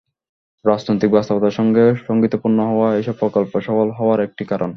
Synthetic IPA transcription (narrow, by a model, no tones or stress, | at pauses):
ɾad͡ʑnojt̪ik̚bast̪opot̪aɾʃɔŋɡeʃoŋɡit̪opuɾnoɦɔoaejʃɔb̚pɾɔkolpoʃɔfolɦɔoaɾek̚ʈikaɾon